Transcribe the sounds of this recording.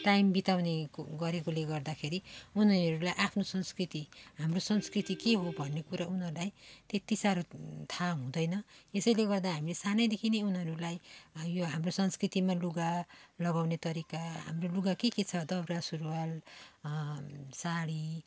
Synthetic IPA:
ʈajmbit̪awneɡʌɾekoleɡʌrd̪akʰeɾiunɦʌɾulajʔapʰnosʌnskrit̪iɦamrosʌnskrit̪ikeɦobʱʌnːekuɾaunɦʌɾulajt̪et̪isaɾot̪ʰaɦũd̪ʌjnʌesʌjleɡʌrd̪aɦamilesanʌjd̪ekʰineunɦʌɾulajjoɦamrosʌnskrit̪imaluɡalʌɡawnet̪ʌɾikaɦa̰mroluɡakeket͡sʰʌd̪ʌbrasuɾwal | saɽi

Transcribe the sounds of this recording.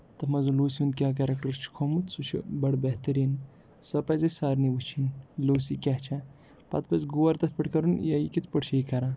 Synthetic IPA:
t̪ɐmɐzuloːsiund̪̚kʲak̬ɐɾɐk̚ʈɐɾt͡ʃʰu̥kʰomut̪sut͡ʃʰḭbɐɽbɐht̪ɐɾiːn | sɐpɐzɐsaːɾniʋut͡ʃʰinloːsikʲaɦt͡ʃʰɐ | pɐ̰t̪̚pɐzɡuwɐɾt̪ɐt̪̚ʰpɐʈkɐɾunjɐjikit̪ʰpəʈt͡ʃʰɐjkɐɾa

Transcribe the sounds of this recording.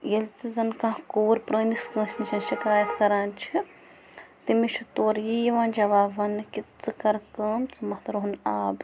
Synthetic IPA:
jɐlt̪izɐnkãːkuːɾpɾəːniskə̃ːʃʰniʃʰɐnʃikaːjɐt̪kɐɾaːnt͡ʃʰi | t̪imit͡ʃʰut̪oːɾjiʋãːnd͡ʒɐʋaːʋɐnɨkit͡sɨkɐɾkɐːmt͡sɨmɐht̪ɐɾɦunaːb

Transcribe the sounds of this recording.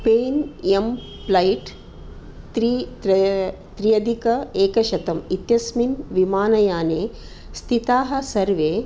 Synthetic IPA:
peːnem | plɐjʈ | t̪ɾi | t̪ɾijɐd̪ʱikɐeːkɐʃɐt̪ɐmit̪jɐsminʋimaːnɐjaːneː | st̪ʰit̪aːɦɐ̆sɐɾʋeː

